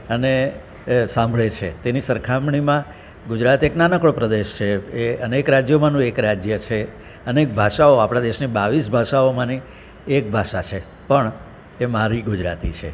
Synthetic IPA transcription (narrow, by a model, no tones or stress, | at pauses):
əne | sãmbʱɭet͡ʃʰḛt̪enisəɾkʰamɳ̃imã | ɡud͡ʒɾat̪eknanəkɭopɾəd̪eʃt͡ʃʰeeənekɾad͡ʒjomãnũekɾad͡ʒjət͡ʃʰe | ənek̚bʱaʃaoapɽ̃ad̪eʃnibaʋisbʱaʃaomãni | ek̚bʱaʃat͡ʃʰe | pəɳ | emaɾiɡud͡ʒɾa̰t̪ḭt͡ʃʰe